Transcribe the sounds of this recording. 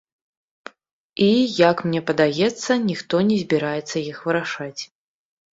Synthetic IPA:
ijɐkmnʲɛpɐd̪ajɛt̪sːɐnʲixt̪ɔnʲɛzʲbʲiɾajɛt̪sːɐjixvɨɾaʂat͡sʲ

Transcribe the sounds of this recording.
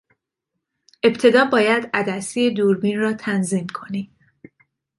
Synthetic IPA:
e̞bt̪ʰe̞d̪ɒːbɒːjæd̪æd̪æsijed̪uːɾbinrɒːt̪ʰænzimkʰo̞niːm

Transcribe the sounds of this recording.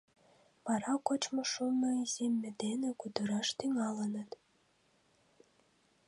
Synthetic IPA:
pɑɾɑkot͡ɕməʃunːoiz̥emʲːĕd̪enekud̪əɾɑʃt̪yŋɑlənət̪

